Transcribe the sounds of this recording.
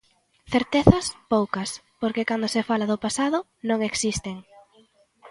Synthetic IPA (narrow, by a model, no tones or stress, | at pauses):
θeɾt̪eθɐspowkɐspoɾkekand̪ʊsefalɐðʊpasaðʊ | nõŋeksist̪eŋ